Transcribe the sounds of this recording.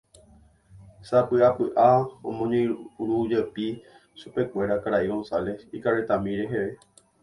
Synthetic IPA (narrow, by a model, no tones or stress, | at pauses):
sapɨʔapɨʔaõ̰mõɲẽɾud͡ʒepi | supe̞kʷe̞ɾakaɾaʔiɣõnsale̞sikaɾet̪amĩɾeɦeʋe̞